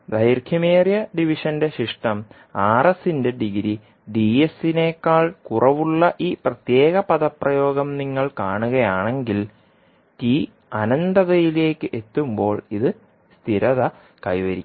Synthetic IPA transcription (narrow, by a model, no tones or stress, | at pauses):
d̪ɐjrkʰjɐmeːrjɐɖiʋiʂɐnde̞ɕiʂʈɐm | aːrɐsinde̞ɖiɣɾi | ɖiesine̞ːkːaːɭkurɐʋuɭːɐʔiːprɐt̪je̞ːɣɐpɐðɐprɐjo̞ːɡɐmniŋːɐɭkaːɳuɣɐjaːɳe̞ŋɡil | ti | ɐnɐnd̪ɐðɐjile̞ːkːɨʔe̞t̪ːumbo̞ːɭiðɨ | st̪ʰiɾɐðɐ | kɐjʋɐɾikː